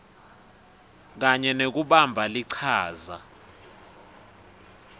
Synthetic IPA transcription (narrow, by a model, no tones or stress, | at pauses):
k̬aɲɛnek̬uɓambʱaliǀʰaːza̰